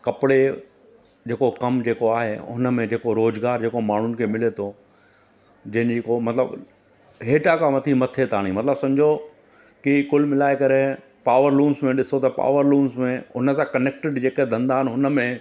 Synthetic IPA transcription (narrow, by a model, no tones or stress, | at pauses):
kɐpɪɽe | d͡ʑeːkokɐmd͡ʑeːkoaːɦeʊnə̆mẽd͡ʑeːkoɾoːzɡaːɾd͡ʑeːkomaːɳ̤ʊnɪ̆kʰeːmɪlet̪ʰo | d͡ʑɐ̃ɦɪ̃nd͡ʑekomɐt̪lə̰b | ɦeːʈakaʋɐt̪ʰimɐt̪ʰet̪ʰaːɽ̃ĩmɐt̪ləbsɐ̃md͡ʑʱo | kikʊlmɪlaːekɐɾe | paːʋəɾlũːnsmẽɗɪsot̪ɐpa̰ːʋəɾluːnsmẽʊnə̆sãkɐneːk̚ʈɪɖd͡ʑeːked̪ʱɐ̃nd̪aːɦɪnɪɦʊnə̆mẽ